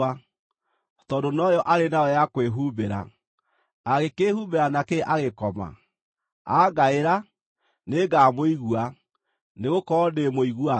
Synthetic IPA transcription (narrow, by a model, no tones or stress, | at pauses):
a | tɔdonɔjɔʔaɾenaɔjakweɦubeɾa̰ː | ɣekehubeɾanakeʔaɣekɔma̰ | aɡaeɾa | neɡamoiɣua | neɣokɔɔdemoiɣua